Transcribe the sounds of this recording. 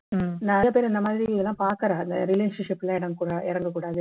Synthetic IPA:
nãːjaːpeːɾɐnd̪ɐmaːðɾiiɐlːãːpaːɾkɐɾãːɐnd̪ɐɾɪleːʂɐnʂɪpːɪlãːɪɽɐŋkuːɽɐʔɪɾɐŋɡɐkuːɽaːðɯ

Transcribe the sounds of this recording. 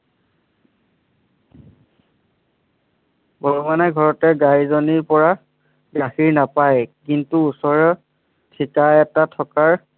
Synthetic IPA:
bɔɹumanaɡʱɔɹɔtɛɡajzoniɹpɔɹa | ɡaxiɹnapajkintuusɔɹɔ | tʰikaɛtatʰɔkaɹ

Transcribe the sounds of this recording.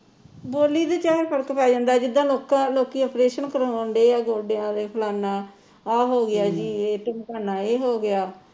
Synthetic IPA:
boːliːd̪eːt͡ʃaːɾpʰəɾəkpɛːd͡ʒãːnd̪aːd͡ʒɪd̪ːãːloːkãːloːkiːəpɾeːʃənkəɾoːnd̪eːaːɡoːɖeãːd̪eːpʰəlaːnaː | aːɦoːɡɪaːd͡ʒiːeːʈɪmkəːnaːeːɦoːɡɪaː

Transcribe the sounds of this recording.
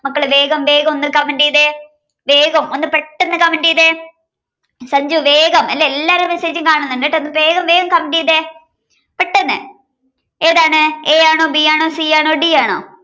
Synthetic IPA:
mɐkːɐɭʋe̞ːɡɐmʋe̞ːɡɐmonːɨkːɐmɐɳɖiːðe | ʋe̞ːɡɐmo̞nːɨpeʈːenːɨkɐmɐɳɖiːðe | sɐɲd͡ʑuʋeːɡɐmelːeelːaːɾemeseːd͡ʑumkaːɳunːnɖɐʈːeonːɨʋeːɣɐmʋe̞ːɡɐmkɐmɐɳɖiːðe | peʈːenːɨ̰ | eːðaːɳɨeːjaːɳoːbiaːɳo̞ːsiaːɳo̞ːɖiaːɳo̰ː

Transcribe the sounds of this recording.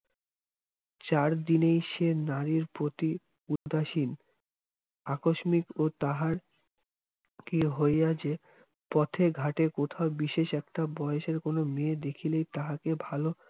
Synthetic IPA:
t͡ɕaɾd̪inejʃenaɾiɾpɾot̪i | ud̪aʃin | akoʃmikot̪aɦaɾ | kiɦojjad͡ʑe | pɔt̪ʰeɡʱaʈekot̪ʰaobiʃeʃɛk̚ʈabɔeeʃeɾkonomed̪ekʰilejt̪aɦakebʱalo

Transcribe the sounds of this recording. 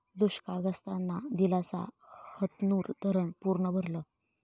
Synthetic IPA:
d̪uɕkaɡəst̪anːad̪ilat͡sa̰hət̪nuːɾd̪ʱəɾəɳpuɾɳəbʱəɾlə

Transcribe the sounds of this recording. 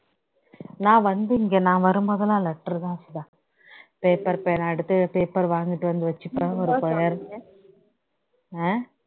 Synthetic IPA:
nãːʋɐnd̪ɯɪŋɡeːnãːʋɐɾɯmboːðɐlãːlɛʈːɐɾt̪ãːsɪðãː | peːpːɐɾpejɐnɐɐɽɯt̪ːɯpeːpːɐɾʋaːŋɡɪʈːɯʋɐnd̪ɯʋɐt͡ʃːɯpːɔɾɯpɔjɐɾ | eː

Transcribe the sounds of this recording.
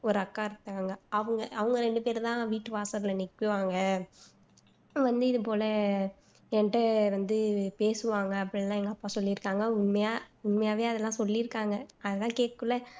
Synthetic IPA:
ɔɾɯɐkːaːɪɾɯt̪ːaːŋɡɐɐʋɯŋɡɐɐʋɯŋɡɐɾɛɳɖɯpeːɾt̪ãːʋiːʈːɯʋaːsɐɾlɐnɪkːɯʋaːŋɡɐ | ʋɐnd̪ɯɪðɯp̬oːlɐ | ɛnʈːɐʋɐnd̪ɯpeːsɯʋaːŋɡɐɐpːɐɽɪlːãːɛŋɡɐːpːaːsɔlːɪɪɾɯkːaːŋɡɐʊnmɐjaːʊɳmɐjaːʋeːjaɐðɛlːãːsɔlːiɪɾɯkːaːŋɡɐɐðɐt̪ãːkeːʈ̚kɯɭːɐ

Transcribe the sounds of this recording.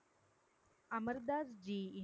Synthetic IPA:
aməɾd̪ad͡zd͡ʑiː

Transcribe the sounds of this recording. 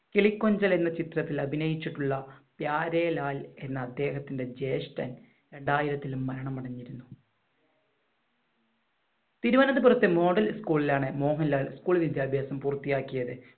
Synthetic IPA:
keɭikːo̞ɲd͡ʑɐle̞nːɐt͡ɕit̪rɐt̪ːilɐbʱinɐjit͡ɕːiʈːuɭːɐpjaːɾeːlaːle̞nːɐːd̪ːe̞ːɦɐt̪ːinde̞d͡ʑe̞ːsʈɐ̰n | ɾe̞ɳɖaːjiɾɐt̪ːilumːɐɾɐɳɐmɐɽɐɲːiɾunːu | t̪iɾuʋɐnɐðɨpurɐt̪ːemo̞ːɽɐlskuːɭilaːɳɨmo̞ːɦɐnilaːlskuːɭʋid̪ʱjaːbʱjaːsɐmpuːrt̪ːijaːkːijɐðɨ

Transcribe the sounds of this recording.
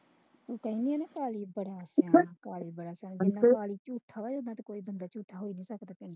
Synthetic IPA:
t̪uːkəĩːnĩːɛ̃ːnɛːkaːliːbəɽaːsãːkaːliːbəɽaːsãnd͡ʒɪnːãːkaːliːt͡ʃuːt̪ʰːaːʋad͡ʒonːãːt̪ekoːiːbənd̪aːt͡ʃuːt̪ʰaːɦoːiːnĩːsəkd̪aːpɪ̃ɳɖ

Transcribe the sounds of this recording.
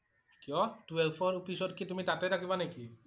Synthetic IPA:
kijɔtuelpʰɔɾpisɔd̚kit̪umit̪at̪ɛtʰakʰibaneki

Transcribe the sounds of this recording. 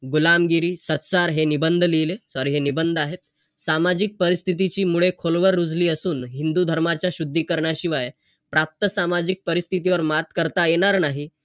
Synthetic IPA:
ɡulamɡiɾiːsət̪saɾɦenibənd̪ʱlijlesaɾiːɦenibənd̪ʱaɦet̪̚ | samad͡ʑik̚pəɾist̪ʰit̪it͡ɕiːmuɭekʰolʋəɾːud͡zliːəsuːnɦind̪ud̪ʱəɾmat͡ɕjaɕud̪ʱːiːkəɾɳaɕiʋaj | pɾap̚t̪əsamad͡ʑik̚pəɾist̪ʰit̪iʋəɾmat̪kəɾt̪ajeɽ̃aɾnaɦi

